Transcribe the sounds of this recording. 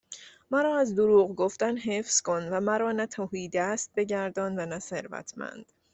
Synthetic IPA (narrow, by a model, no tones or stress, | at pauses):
mæɾɒːæzd̪oɾuːɣɡo̞ft̪ænɦefsko̞nvæmæɾɒːnæt̪ʰohiːd̪æst̪̚be̞ɟæɾd̪ɒːnvænæse̞ɾvæ̰t̪ʰmæ̰nd̪̥